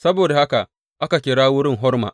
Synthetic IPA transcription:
sɐ˦boː˨da˨ha˦ka˨ʔ | ʔa˦ka˨kʲɪ˨ɽaː˦wʊ˦ɽɪ˦˨ŋɦɔ˦rma̰ː˨ʔ

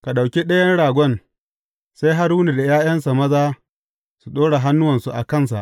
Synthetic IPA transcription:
ka˨ɗa˨wkʲi˦ɗɐ˦jɐ˦nɽaː˨ɡʷɔ˦n | sa˦jɦa˦ɾuː˦ni˨da˨jaː˦j̰ɐ˦nsa˨mɐ˦zaː˦ | su˨ɗoː˦ɽa˨ɦa˦nːʊ˦wɐ˨nsu˨ʔa˨kɐ˦˨ns̬a̰˨ʔ

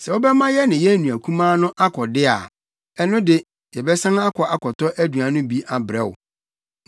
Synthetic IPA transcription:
sɛ˨o˦bɛ˦mã˦jɛ˦nɪ̃˨jɛ˦nũ˨æ˨kʰũ˦mãː˦nʊ̃˦ʔa˦kʰɔ˨dɪ˦a̰˨ | ɛ˦nʊ̃˦dɪ˦ | jɛ˨bɛ˦sã˦ŋa˦kʰɔ˨ʔa˨kʰɔ˨tɔ˦ʔæ˦du˨a˨nʊ̃˦bi˦a˨bɾɛ˦˨wʊ̰˨

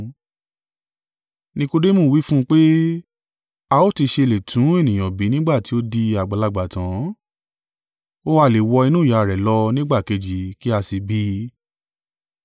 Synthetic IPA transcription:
nĩ˧ko˧de˦mõ˦˨wi˦fũ˦˧k͡pe˦ | a˧o˦˨ti˧ʃe˧˨le˨tʰũ˨˦e˦˨nĩ˨j̃ã˨bi˨˦nĩ˦ɡ͡ba˦˨ti˨˦o˦di˧a˨ɡ͡ba˨la˧˨ɡ͡ba˨tã˨˦ | o˦wa˦˨le˨wɔ˧i˧nũ˦˨ja˨ɾɛ˨lɔ˧˦nĩ˦ɡ͡ba˦˨ke˨˧d͡ʒi˨˦ki˦a˧si˧bi˦

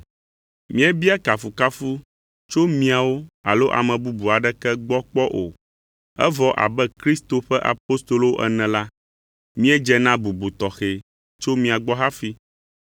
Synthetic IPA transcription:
mĩ˦ɛ˦bi˦a˦ka˨fu˨ka˦fu˦ | t͡ʃo˦mĩ˦a˨wo˦a˨lo˦ʔa̰˨mɛ̃˨bu˦bu˨a˨ɖɛ˦kɛ˦ɡ͡bɔ˦k͡pɔ˦ʔo˨ | ɛ̰˦vɔ˦ʔa̰˨bɛ˦kɾi˦st̪o˨ɸɛ˦ʔa̰˨po˦st̪o˨lo˦o˦ʔɛ̰˦nɛ̃˨la˦ | mĩ˦ɛ˦d͡ʒɛ˦nã˦bu˨bu˨t̪ɔ˨xe˨ | t͡ʃo˦mĩ˨a˨ɡ͡bɔ˦ɦa˦fi˦

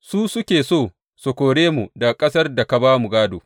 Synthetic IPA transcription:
su˦sʊ˦kʲeː˨soː˦˨ | so˨kʷoː˨ɽeː˦mu˨da˨kʼɐ˦sɐ˦rda˨ka˨baː˦mu˨ɡaː˦doː˨

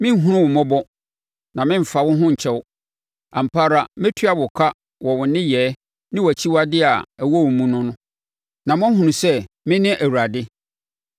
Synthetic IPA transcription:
mɪ̃˦ɦũ˦ʊ̃˦wʊ̃˨mɔ̃˦bɔ˦ | nã˨mɪ̃˦m̩˨fa˨wʊ̃˦ɦʊ̃˦ɲ̩˨t͡ɕʰɛ˦w | ã˨m̩˨pʰa˦ɾa˨mɪ̃˦tʰɥa˨bʊ˨kʰa˦ | wɔ˨wʊ̃˨nɪ̃˦jɛː˨˦ | nɪ̃˦wæ˨t͡ɕʰi˦wa˦dɪ˦a˨æ˨wo˦wʊ̃˨mũ˦nʊ̃˦nʊ̃˦ | nã˨mʊ̃˦ɦũ˨nʊ̃˨sɛ˦ | mɪ̃˦nɪ̃˦ʔæ˨wu˨ɾa˨dɪ˦

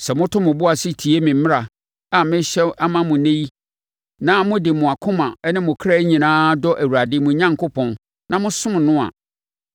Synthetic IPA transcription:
sɛ˨mʊ̃˦tʰʊ̃˦mʊ̃˨bʊ˦a˨sɪ˦tʰi˨e˦mɪ̃˨m˦mɪ̃˦ɾa˨ | a˨mɪ̃˦ɕɛ˦ʔa˦mã˦mʊ̃˨nẽ˦ji˦ | nã˦mʊ̃˦dɪ˨mʊ̃˨a˨kʰʊ̃˦mã˨ɛ˦nɪ̃˦mʊ̃˨kʰɾa˦ɲĩ˨nãː˦dɔ˦ʔæ˨wu˨ɾa˨dɪ˦mʊ̃˨ɲã˦ŋkʰʊ˦pʰɔ̃˨n | nʔã˨mʊ̃˦sʊ̃˦m˨nʊ̃˦a̰˨

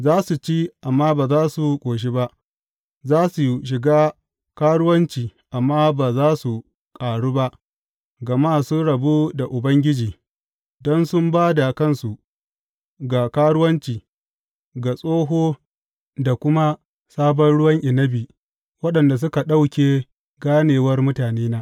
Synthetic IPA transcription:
zaː˦su˨t͡ʃi˦ʔa˨mːaː˦baː˨zaː˦su˨kʷʼoː˨ʃ̬i˦ba˦ʔ | zaː˦su˨ʃ̬ɪ˨ɡaː˦ | kaː˦ɽʊ˦wɐ˦nt͡ʃiː˨ʔa˨mːaː˦baː˨zaː˦su˨ | kʼaː˨ɽuː˦ba˦ʔ | ɡɐ˨maː˦sʊ˦nɽɐ˨buː˦da˨ʔʊ˨bɐ˦ŋɡʲɪ˦d͡ʒiː˨ | dɔ˦nsʊ˦mbaː˦da˨kɐ˦˨nsu˨ʔ | ɡa˨kaː˦ɽʊ˦wɐ˦nt͡ʃiː˨ | ɡa˨sʼoː˦ɦoː˦ | da˨kʷʊ˦ma˦ | saː˦bɔ˦nɽʊ˦wɐ˦ŋʔɪ˨nɐ˦biː˨ | wɐ˦ɗɐ˨nda˨s̬ʊ˦ka˨ɗa˦wkʲeː˨ | ɡaː˦neː˨wɐ˦rmʊ˦taː˨neː˦naː˦

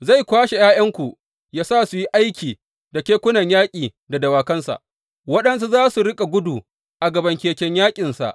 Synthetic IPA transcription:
za˦˨jkʷaː˦ʃe˨jaː˦jɐ˦ŋkʷu˨ʔ | jaː˦saː˦˨su˨ji˦ʔa˦jkʲiː˨ | da˨kʲeː˦kʷʊ˦nɐ˨ɲjaː˦kʲʼiː˨ | da˨dɐ˨waː˨kɐ˦nsa̰˨ʔ | wɐ˦ɗɐ˦ns̬u˦zaː˦su˨ɽɪ˦kʼa˨ɡʷʊ˦duː˨ | ʔa˨ɡɐ˨bɐ˨ŋkʲeː˨kʲɛ˦ɲjaː˦kʲʼɪ˨nsa̰˨ʔ

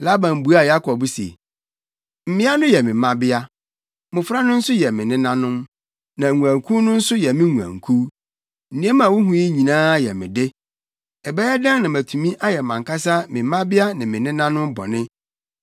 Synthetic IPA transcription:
la˦bã˨m˨bu˨˦a˨ja˦kʰɔ˨bsḛ˨ | m̩˨mɪ̃˦a˦nʊ̃˦jɛ˨mɪ̃˨mã˦bɪ˦a˦ | mʊ̃˨fɾa˦nʊ̃˦n̩˦sʊ˦jɛ˨mɪ̃˨nɪ̃˦nã˦nʊ̃˦m | nã˨ŋũ˨ã˨ŋkʰu˦nʊ̃˦n̩˦sʊ˦jɛ˨mɪ̃˦ŋũ˨ã̰˨ŋkʰu˦ | n̩˨nĩ˦ɛ˦mã˨wʊ˦ɦũ˨˦i˦ɲĩ˨nãː˦jɛ˨mɪ̰̃˨dɪ˦ | ɛ˨bɛ˦ɛ˦dã˦ŋnã˨mæ˨tʰu˨mĩ˦ʔa˦jɛ˨mã˨ŋka˦sa˦mɪ̃˨˦mã˦bɪ˦a˦nɪ̃˨mɪ̃˨nɪ̃˦nã˦nʊ̃˦m˦bɔ̰˨nɪ̃˦

